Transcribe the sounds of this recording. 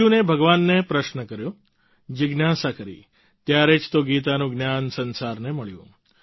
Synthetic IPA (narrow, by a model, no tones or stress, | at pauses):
unebʱəɡʋanːepɾəʃnəkəɾjo | d͡ʒɪɡnasakəɾḭ | t̪jaɾed͡ʒt̪oɡit̪anũɡnjansənsaɾneməɭjṵ̃